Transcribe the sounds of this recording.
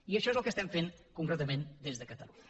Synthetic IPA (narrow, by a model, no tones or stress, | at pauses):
iəʃɔezəlˠkəst̪ɛmfeŋkuŋkɾɛt̪əmend̪ezðəkət̪əluɲə